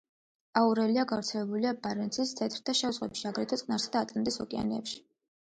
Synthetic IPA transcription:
auɾɛliaɡavɾt̪sʰɛlɛbuliabaɾɛnt̪sʰist̪ʰɛt̪ʰʼɾt̪ʰaʃɛuzʁwɛ̰pʃiaɡɾɛt̪ʰɔt̪sʼnaɾsad̪aːt̪ʼɛnd̪ɛsɔkʼia̰nɛɛ̰pʃi̥

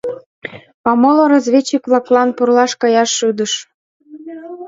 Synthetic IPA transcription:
pɑmoloɾozβʲet͡ɕːikβlɑklɑnpurlɑʃkɑjɑʃːyd̪əʃ

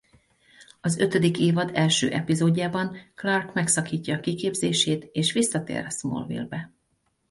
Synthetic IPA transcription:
ɒzø̞t̪ød̪ikeːvɒd̪ɛlʃø̰ːʔɛpizoːɟːaːbɒŋklɒrkmɛksɒkiːcːɒːkikeːbzeːʃeːt̪eːʃʋisːɒt̪ḛːɾɛsmo̰lvḭlbɛ

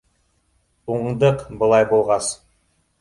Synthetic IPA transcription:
uɴd̪əqbəlˠɑjbolˠʁɑs

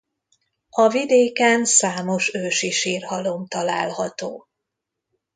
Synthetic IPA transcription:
ɒvid̪eːkɛnsaːmo̞ʃøːʃiʃiːrhɒlo̞mt̪ɒlaːlhɒt̪oː

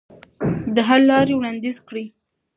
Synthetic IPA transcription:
d̪əɦaɾlɑɾewɽɑnd̪izkɽi

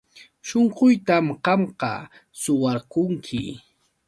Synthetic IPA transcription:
ʃoɴqʊjt̪amɢɑmqɑ̰ | sʊwɑɾkʊŋkʰɪ̰

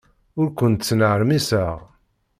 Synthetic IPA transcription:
ʊɾkʷənt̪t͡sːnəʕɾmisəʁ

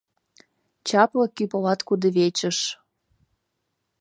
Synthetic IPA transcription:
t͡ɕɑplɤkypolɑt̪kud̪eβet͡ɕə̆ʃ

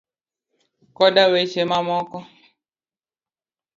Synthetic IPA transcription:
kɔdawet͡ʃemamɔkɔ

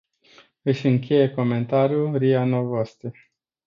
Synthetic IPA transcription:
ɨʃʲɨŋkʲe̞je̞ko̞me̞nt̪aɾjulɾianovost̪ɾe

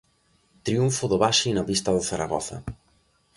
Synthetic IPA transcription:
t̪ɾiuɱfʊðʊβaʃinaβist̪ɐðʊθaɾa̰ɣɔ̰θɐ̰

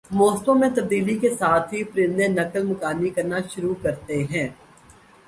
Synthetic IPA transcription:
moːst̪õmẽt̪ɐb̚d̪iːlikesaːt̪ʰɦipɾɪ̃nd̪ẽnɐkəlmʊkaːnikɐɾnaʃʊɾukɐɾt̪eɦɛ̃ː

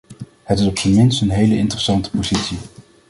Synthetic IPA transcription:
hətɪsɔpsənmɪnstənɦejləɪntərəsɑntə̥pozitsi

